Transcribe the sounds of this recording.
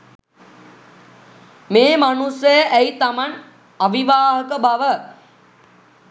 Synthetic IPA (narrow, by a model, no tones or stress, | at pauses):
meːmanusjəjəʔæit̪aman | aʋiʋaːɦəkəbaʋə